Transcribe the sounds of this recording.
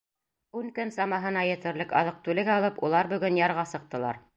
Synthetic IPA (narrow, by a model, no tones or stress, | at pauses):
ʉŋkɵnsɑmɑɦɤ̆nɑjɘ̆t̪ɘ̆ɾlɘkɑðɤq̚t̪ʉlɘ̆ɡæɑlˠɤpulˠɑɾbɵ̆ɡɵnjɑɾʁɑsɤ̆q̚t̪ɤ̆lˠɑ̰ɾ